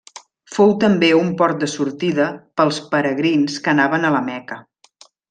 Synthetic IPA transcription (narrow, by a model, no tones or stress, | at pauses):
fowt̪əmbeumpɔɾt̪̚d̪əsuɾt̪iðəpəlˠspəɾəɣɾinskənaβənələmɛkə